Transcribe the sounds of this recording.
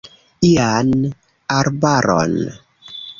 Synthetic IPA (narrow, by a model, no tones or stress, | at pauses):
ian | aɾbaɾɔ̰n